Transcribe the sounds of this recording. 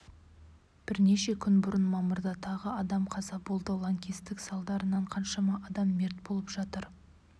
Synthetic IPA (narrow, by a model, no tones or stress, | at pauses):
b̥ɪɾne̞ʃe̞kʲʰʏnbʊɾənmɑmʊɾd̪ɑt̪ʰɑʁəɑd̪ɑmqʰɑzɑbo̞lˠd̪əlˠɑŋkʲist̪ɪksɑlˠd̪ɑɾənɑɴqʰɑnʃɑmɑʔɑd̪ɑmːe̞ɾt̪bo̞lˠəpʒ̥ɑt̪əɾ